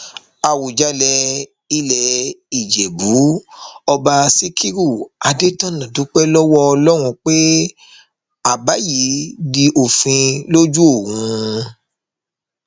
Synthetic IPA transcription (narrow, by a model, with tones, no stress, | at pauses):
a˨wu˨d͡ʒa˧˦lɛ˧ | i˧˦lɛ˧i˨d͡ʒɛ˨bu˨˦ɔ˧ba˧si˦kʰi˦ɾu˦˨a˧de˦tã˦nã˨du˨˦k͡pɛ˦lɔ˦wɔ˦ɔ˧lɔ˦w̃ũ˧k͡pe˦ | a˨ba˨˦ji˨˦di˧ʔo˨fĩ˧lo˦d͡ʒu˦o˦˨wũ˧